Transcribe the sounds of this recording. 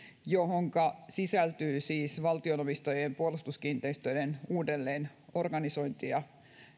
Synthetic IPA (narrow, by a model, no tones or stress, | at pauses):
johoŋkɑsisælt̪yːsiːsʋɑlt̪ionopist̪ojempuolust̪uskiːnt̪eist̪øidenuːdelːeːn | orɡɑniso̞jnt̪iɑ